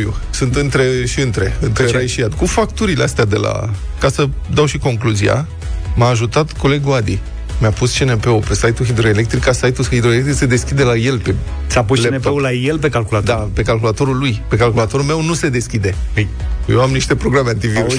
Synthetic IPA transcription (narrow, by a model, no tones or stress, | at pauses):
ṵ | sɨnt̪ɨnt̪ɾe̞ʃiɨnt̪ɾe̞ɨnt̪ɾeɾajʃiad̪kufak̚t̪uɾileast̪ead̪e̞la̰ | kasəd̪awʃiko̞ŋkluzia̰ | maːʒut̪at̪ko̞le̞ɡuad̪i | mjapust͡ʃenepe̞upe̞sajt̪uɦid̪ɾo̞ele̞k̚t̪ɾikasajt̪uid̪ɾo̞elekt̪ɾikse̞d̪e̞skʲid̪e̞laje̞lpe | sapust͡ʃnepeulajelpe̞kalkulatd̪ape̞kalkulat̪o̞ɾulujpe̞kalkulat̪o̞ɾulme̞wnuse̞d̪e̞skʲid̪e̞ | jewamniʃt̪e̞pɾo̞ɡɾameant̪iviɾuʃ